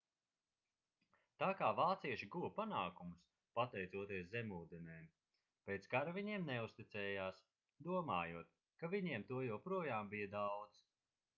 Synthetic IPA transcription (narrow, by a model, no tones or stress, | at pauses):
t̪aːkaːvaːt̪siɛʃiɡuvɐpanaːkumus | pat̪ɛjt̪suɔt̪iɛszɛmuːd̪ɛnɛːm | pɛːt̪skaɾaviɲiɛmnɛust̪it̪sɛːjaːs | d̪uɔmaːjuɔt̪ | kaviɲiɛmt̪uɔjɛwpɾuɔjaːmbijɐd̪awd̪z